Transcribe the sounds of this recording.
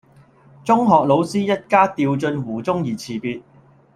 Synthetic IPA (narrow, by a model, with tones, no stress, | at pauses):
t͡sʊ˥ŋɦɔː˨k̚lo˨˧wsiː˥jɐ˥t̚kaː˥t̪iː˧wt͡sɵ˧nwuː˨˩t͡sʊ˥ŋjiː˨˩t͡sʰiː˨˩piː˧t̚